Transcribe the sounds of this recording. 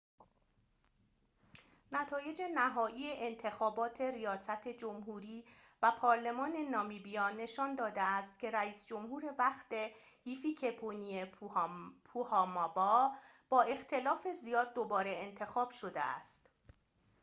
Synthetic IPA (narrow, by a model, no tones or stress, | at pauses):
næt̪ʰɒːje̞d͡ʒe̞næɦɒːʔiːeʔent̪ʰe̞xɒːbɒːt̪ʰe̞rijɒːsæt̪ʰe̞d͡ʒomɦuːɾiːvæpʰɒːɾle̞mɒːne̞nɒːmiːbijɒːne̞ʃɒːnd̪ɒːd̪eæst̪cʲʰe̞ɾæiːsd͡ʒo̞mhuːɾe̞væxt̪e̞ | hiːficʰe̞pʰonie | pʰuhɒːmɒbɒː | b̥ɒːe̞xt̪ʰe̞lɒːfe̞zijɒːd̪̚ːo̞bɒːɾe̞ent̪ʰe̞xɒːb̥ʃo̞d̪ḛæ̰st̪